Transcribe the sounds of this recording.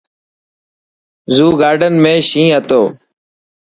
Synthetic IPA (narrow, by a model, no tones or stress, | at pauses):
zuːɡaːɾɖənmẽːʃĩːɦət̪oː